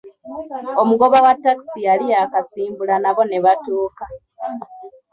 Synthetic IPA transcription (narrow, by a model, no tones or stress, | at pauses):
o̞muɡo̞βawatːaki̥sialiakasiːmbulanaβo̞ne̞βatoːka